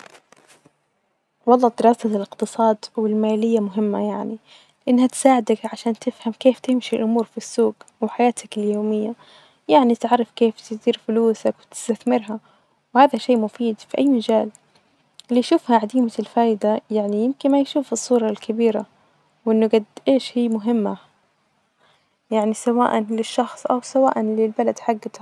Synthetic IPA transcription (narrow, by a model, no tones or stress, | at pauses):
wɑlˤːɑːd̪ɪɾɑːsalɪqt̪ɨsˤɑːd̪wɪlmaːlɪjːamʊɦɪmːa̰jaʕni | lɪʔɪnːhat̪ɪ̥saːʕɪd̪akʕaʃaːnt̪ɪfhamkeːft̪ɪmʃilʔʊmuːɾfisːuːɡwɪħajaːt̪ʰakɪljoːmɪjːa | jaʕnit̪ʕɑrˤːɑfkeːft̪ɪsiːɾfʊluːsakwɪt̪ɪ̥st̪aθmɪɾɦa | whaːðaʃeːʔmʊfiːd̪fiʔajːmad͡ʒaːl | lijʃuːfhaʕad̪iːmalfaːjd̪ajaʕnijɪmkɪnmajʃuːfɨsˤːuːɾˤɑlkʰabiːɾa | wʔɪnːʊɡad̪ʔeːʃhiːmʊɦɪmːa | jaʕnisawa̰ːʔanlɪʃːɑxsˤʔawsawa̰ːʔanlɪlbalad̪ħaɡːat̪a